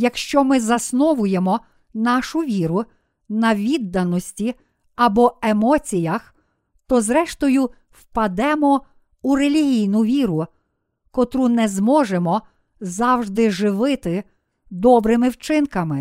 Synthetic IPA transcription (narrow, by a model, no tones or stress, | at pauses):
jɐkʃt͡ʃɔmɪzɐsnɔʋʊjemɔ | nɑʃʊʋʲiɾʊ | nɐʋʲid̪ːɐnɔsʲtʲi | ɐbɔemɔt͡sʲijɐx | t̪ɔzɾɛʃt̪ɔjʊ | wpɐd̪ɛmɔ | urelʲiɦʲijnʊʋʲiɾʊ | kɔt̪ɾunɛzmɔʒemɔ | zɑwʒd̪ɪʒɪʋɪt̪ɪ | d̪ɔbɾɪmɪwt͡ʃɪnkɐmɪ